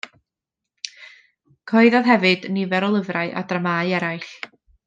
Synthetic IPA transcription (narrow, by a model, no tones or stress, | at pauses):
kʰɔɨðɔðɦɛvɨd̥nivɛɾɔlˠəvraɨʔa̰dramaːɨɛɾajɬ